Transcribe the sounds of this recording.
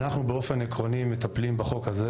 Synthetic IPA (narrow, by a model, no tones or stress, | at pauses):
naχnubeo̞fe̞nekʁo̞nimet̪aplimbaχo̞khaze